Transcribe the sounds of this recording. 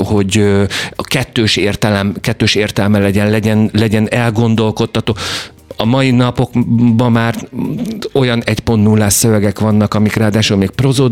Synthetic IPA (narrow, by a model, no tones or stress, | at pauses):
ho̞ɟøkɛt̪ːøːʃeːrt̪ɛlɛmkɛt̪ːøːʃeːrt̪ɛlmɛlɛɟɛnlɛɟɛnlɛɟɛnɛlɡo̞nd̪o̞lko̞t̪ːɒt̪oː | ɒmɒjinɒpo̞kbɒmmaːr | o̞jɒnɛcpo̞nt̪ːnulːaːsøvɛɡɛkʋɒnːɒkɒmikraːd̪aːʃulmeːk̚pro̞zoː